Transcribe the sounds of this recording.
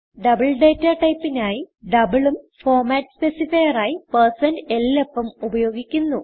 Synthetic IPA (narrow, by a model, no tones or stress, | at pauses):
ɖɐbɐɭɖeːtːɐʈɐjpːinaːjiɖɐbɨɭum | fo̞ːrmaːtːɨ̥spesifɐjɐraːjipɐrsɐnde̞lːo̞pːɐmubɐjo̞ːɡikʲːunːu